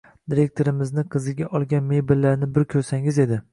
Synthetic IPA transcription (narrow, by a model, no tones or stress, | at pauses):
d̪iɾe̞k̚ʲt̪ʰo̞ɾɪmɪznɪqʰɨzɪɡʲaʔɒlˠɡʲanme̞jbɪllːaɾnɪbɪɾkʲʰɵɾsaŋɪze̞d̪ɪ